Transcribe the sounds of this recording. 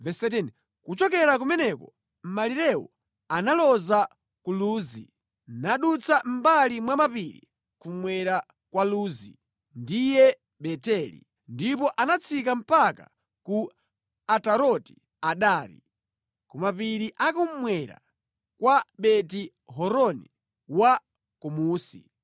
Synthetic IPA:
vɛsɛt̬ɛn | kut͡ʃɔkɛɾak̬umɛnɛkɔ̰ | m̩maliɾɛwɔ̰ | analɔza | kuluːzḭ | naɗut͡sʰam̩balimwamapiɾḭ | kumwɛɾa | kwaluːzḭ | ndijɛ | ɓɛtɛlḭ | ndipɔʔanat͡sʰikam̩paka̰ | ku | ataɾɔti̥ | aɗaːɾḭ | kɔmapiɾiʔakum̩mwɛɾa̰ | kwaɓɛti | ɦɔɾɔni | wa | kɔmuːsḭ

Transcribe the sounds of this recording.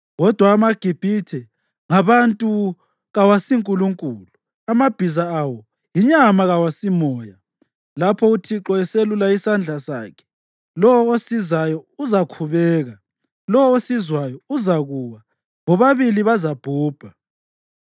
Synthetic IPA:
ɣɔd̥ʱwaːmaɡ̥ʱib̥ʱitʰɛ | ŋaβantʼu | ɣawasiŋkʼuluŋkʼuːlu | amab̥ʱizaːwɔ | jiɲamaɣawasimɔːja | lapʰɔutʰiǁɔɛselulaisand͡ɮʱasa̰ːkʰɛ̥ | lɔwɔosizajɔuzakʰuβɛːɣa | lɔwɔosizwajɔuzaɣuwa | βɔβaβiliβazab̥ʱuːb̥ʱa

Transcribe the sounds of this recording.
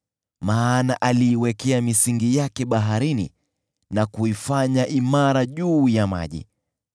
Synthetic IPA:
maːnaʔaliːwɛkɛamisiŋɡijakɛɓaɦaɾinḭ | nakuifaɲaʔimaɾaʄuːjama̰ʄḭ

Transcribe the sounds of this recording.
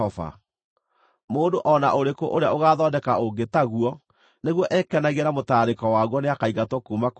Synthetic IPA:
ɔva̰ | moːndoʔɔnaʔoɾekoʔoɾeaoɣaːðɔdɛkaoɡetaɣuɔ | neɣwɔʔɛkɛnaɣeɾamotaːɾekɔwaɣwɔneakaiɣatwɔkuːmak

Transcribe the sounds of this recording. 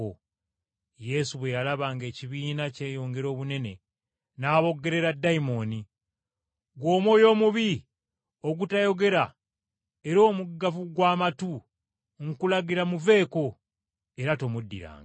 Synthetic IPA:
o | je̞suβwe̞jalaβaːŋɡe̞ːciβiːnace̞ːjo̞ːŋɡe̞ɾo̞ːβune̞ne̞ | naːβo̞ɡe̞ɾe̞ɾadːaimo̞ni | ɡwo̞ːmwo̞ːjo̞ːmuβi | o̞ɡutajo̞ɡe̞ɾa | e̞ɾo̞ːmuɡavuɡwaːmatu | ŋkulaɡiɾamuve̞ːko̞ | e̞ɾato̞mudːḭɾa̰ːŋɡa

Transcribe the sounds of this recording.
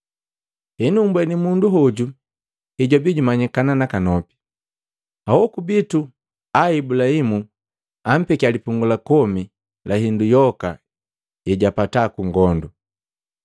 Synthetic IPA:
hɛnumbwɛnimunduɦɔɟu | hiɟɔbiɟumaɲikananakanɔpi̥ | awɔkubitu | aibulahimu | am̩pɛkialipuŋɡulakɔmi | lʔaɦindujɔka | jɛɟapatakuŋɡɔndu

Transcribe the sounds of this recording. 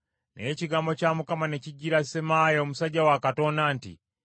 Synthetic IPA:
neciɡaːmbo̞caːmukamane̞ciɟːiɾasemaːjoːmusaɟːawakato̞ndaːntḭ

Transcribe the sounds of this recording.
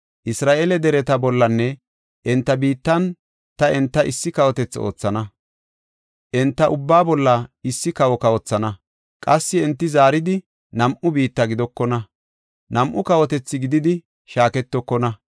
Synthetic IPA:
ʔɪsɾaːʔeːlɛd̪ɛɾɛt̪ɐbɔlːɐnːɛ | ʔɛnt̪ːɐbiːt̪ːɐn | t̪ɐɛnt̪ːɐʔɪsːɪkɐwɔt̪ɛt͡sːo̞̰ːt͡sːɐnɐ | ʔɛnt̪ːɐʔʊbːaːbɔlːɐɪsːɪkɐwɔkɐwɔt͡sːɐnɐ | kʼɐsːɪɛnt̪ːɪzaːɾɪd̪ɪ | nɐmʔʊbiːt̪ːɐɡɪd̪ɔkːɔnɐ | nɐmʔʊkɐwɔt̪ɛt͡sːɪɡɪd̪ɪd̪ɪ | ʃaːkɛt̪ːɔkːɔnɐ

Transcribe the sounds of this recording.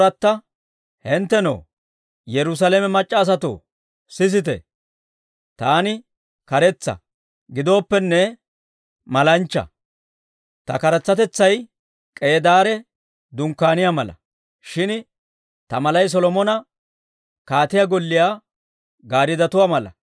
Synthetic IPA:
ɐt̪ːɐ | hɪnt̪ːɛno̰ː | jɛɾʊs̬ɐlemɛmɐt͡ʃʼːɐːs̬ɐt̪o̰ | sɪs̬ɪt̪ɛ̰ | t̪aːnɪ | kɐɾɛt͡sːɐ̰ | ɡɪd̪o̞ːpːɛnːɛ | mɐlɐnt͡ʃːɐ̰ | t̪ɐ̰kɐɾɐt͡sːɐt̪ɛt͡sːɐj | kʼe̞ːd̪aːɾɛ | d̪ʊŋkːaːnɪjaːmɐlɐ̰ | ʃɪn | t̪ɐmɐlɐjs̬ɔlɔmɔnɐ | kaːt̪ɪjaːɡɔlːɪjaː | ɡaːɾɪd̪ɐt̪ʊwaːmɐlɐ̰

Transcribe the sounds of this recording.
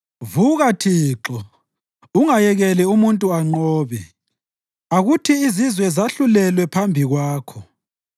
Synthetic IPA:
vuɣatʰiːǁɔ | uŋajɛɣɛlɛumuntʼuaŋ͡ǃɔːβɛ̰ | aɣutʰiːzizwɛzaɬulɛlwɛpʰambʱiɣwaːkʰɔ

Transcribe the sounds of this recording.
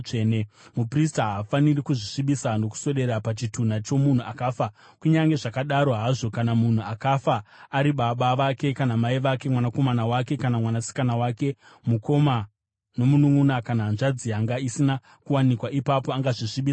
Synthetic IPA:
enemupristaɦafanirikuʐiʂiɓisano̞ku̥so̞ɗe̞ɾapat͡ʃitun̤at͡ʃo̞mun̤uʔakaːfa | kuɲaŋɡe̞ʐakaɗaɾo̞ɦaʐo̞kanamun̤uakafaːɾiɓaɓaʋake̞kanamaiʋake̞mwanako̞manawake̞kanamwanasi̥kanawake̞ | muko̞ma | no̞munuŋunakanaɦːnʐad͡zijaŋɡaisina | kuwanikwaʔipapo̞aŋɡaʐiʂiɓiːsa

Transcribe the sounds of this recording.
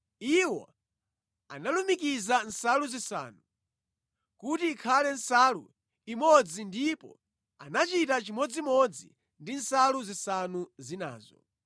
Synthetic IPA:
iwɔ̰ | a̰nalumikizan̩saluzisa̰ːnu | kutiːkʰalɛn̩salṵ | imɔd͡zindipɔ̰ | a̰nat͡ʃitat͡ʃimɔd͡zimɔd͡zḭ | ndin̩saluzisanuzina̰ːzɔ̰

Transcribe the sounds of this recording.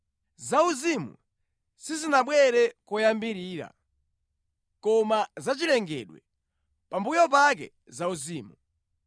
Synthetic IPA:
zauzimṵ | sizinaɓwɛɾɛkɔjambiɾiːɾa̰ | kɔmazat͡ʃilɛŋɡɛ̰ɗwɛ̰ | pambujɔp̬ak̬ɛ̰ | zauziːmu

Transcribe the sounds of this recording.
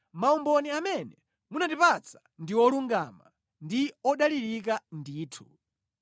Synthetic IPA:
maumbɔniamɛnɛ | munatipat͡sʰḁ | ndiwɔluŋɡama̰ | ndiɔɗaliɾik̬andiːtʰu

